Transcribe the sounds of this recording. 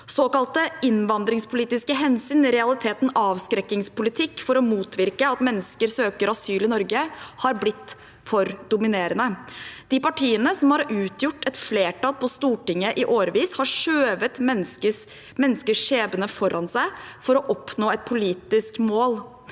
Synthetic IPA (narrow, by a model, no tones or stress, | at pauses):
soːkɑlt̪əʔɪnʋɑnd̪ɾɪŋspʰʊliːt̪ɪskəɦɛnsyːnɪɾɛɑlɪt̪ʰeːt̪n̩ɑːʋskɾɛkːɪŋspʊlɪt̪ʰɪkːfɔɾɔmuːt̪ʰʋɪɾkəɑt̪mɛnːəskəɾsøːkəɾɑsyːlɪnɔɾɡəhɑɾblɪt̪ː | fɔɾd̪ʊmɪneːɾənəd̪̥ɪpɑʈʰiːənəsɔmhɑɾʉːt̪jʊʈːɛt̪fleːʈɑlpʰɔst̪uːʈɪŋːəʔɪʔoːɾəʋiːshɑʂøːʋət̪ə | mɛnːəskəʂeːbənəfɔɾʔɑnsæɪfɔɾɔʔɔpnoːɛt̪̚pʰʊliːt̪ɪskmoːl